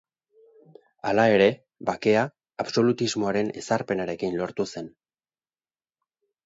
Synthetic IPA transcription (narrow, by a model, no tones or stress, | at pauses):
alae̞ɾe̞ | bake̞aː | βso̞lut̪izmo̞aɾe̞ne̞̰saɾpe̞naɾe̞kinlo̞ɾt̪use̞n